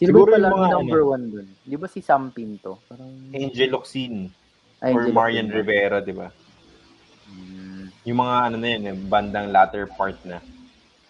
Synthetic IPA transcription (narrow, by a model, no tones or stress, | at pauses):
sɪɡuːɾojɐʊlɐmɐŋanɐnmbɛɹwand̪ond̪ɪbasisampint̪oɐʔɛnd͡ʒɛloksin | ʔɔɹmaɹjɐnɾɪvɛːɾɐd̪ɪba | jʊŋmɐŋaɐnonɐjonɛbɐnd̪ɐŋlaːt̪ɛɹpaɹt̪̚nɐ